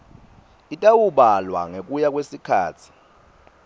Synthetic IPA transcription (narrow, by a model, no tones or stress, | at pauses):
itʼawuɓalwa̰ŋek̬ʼujak̬ʼwesikʰa̰ːt͡sʰi̥